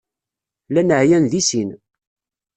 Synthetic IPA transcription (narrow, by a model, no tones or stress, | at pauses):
lænəʕjænðisin